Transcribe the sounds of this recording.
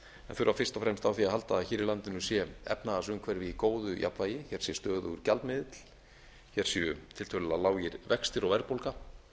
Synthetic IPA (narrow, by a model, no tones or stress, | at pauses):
ɛ̰nθʏɾawfɪr̥st̪ɔfɾɛmst̪awθiaðɦalt̪aaðçɪːɾɪlant̪ɪnʏsjɛɛ̰pnaðasʏmkʰvɛɾvikoːwðʏja̰pvaːjɪçɛɾ̥sjɛst̪œːɣðʏʏɾcalt̪mɪðɪt̪l̥ | çɛɾ̥sɛʏt̪ʰɪlt̪ʰœlʏlaðlaːwjɪɾvɛkst̪ɪɾɔɣvɛɾpowlka